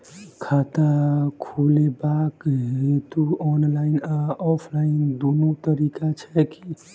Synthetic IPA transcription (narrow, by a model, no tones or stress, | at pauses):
kʰat̪akʰulebakɦet̪uɔnlainɔpʰlaind̪onut̪əɾikat͡ʃʰɛki